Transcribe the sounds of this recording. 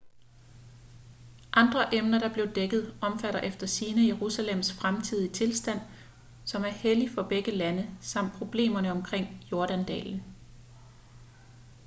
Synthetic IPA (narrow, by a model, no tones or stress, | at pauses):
ʔɑ̈nd̥ʁɐʔemnɐɾ̥ɑ̈b̥le̝ʊd̥eɡ̥ð̞̩ˠɒ̽mfæɾɐʔefd̥ɐsiːnəjeʁusælem̰sfʁamt͡sʰið̞̰ˠit͡sʰe̝lsd̥æn̰ | sɒ̽mæɐhelifɒ̽b̥eɡ̥əlænəsɑ̈m̰d̥̚pʰʁo̝b̥le̝̰ːmɐnəɒ̽mkʰʁeŋ̰jo̝ɐɾ̥ænd̥ɛ̰ːln̩